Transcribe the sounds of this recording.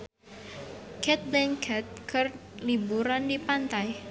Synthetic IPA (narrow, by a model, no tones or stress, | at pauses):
kʰɛt̪̚blɛŋkʰɛt̪̚kərlibuɾandipant̪aj